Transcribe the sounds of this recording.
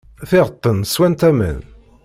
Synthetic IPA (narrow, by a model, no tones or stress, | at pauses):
θɪʁət̪ˤːənswænt̪æmə̰n